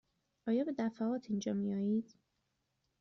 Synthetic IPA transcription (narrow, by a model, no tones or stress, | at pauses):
ʔɒːjɒːbe̞d̪æfæɒːt̪ʰind͡ʒɒːmijɒːjiːd̪̥